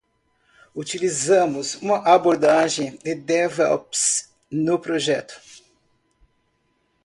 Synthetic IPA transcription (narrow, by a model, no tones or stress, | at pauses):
ut͡ʃilizɐ̃mʊsũmɐʔaboɾd̪aʒẽj̃d̪ɪd̪ɛvɛ̰lps | nʊpɾoʒɛt̪ʊ̥